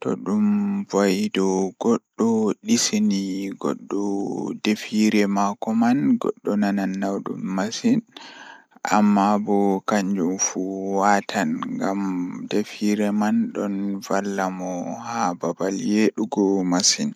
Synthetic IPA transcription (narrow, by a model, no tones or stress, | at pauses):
tɔ̰ɗumvajdɔɡɔɗːɔɗisiniɡɔ̰ɗːɔdefiɾɛmakɔmanɡɔ̰ɗːɔnananːawɗṵmːasin | ʔa̰mːabɔkaɲd͡ʒumfuwatʰanŋɡamdefiɾɛmanɗɔnvalːamɔhababaljeɗuɡɔmasin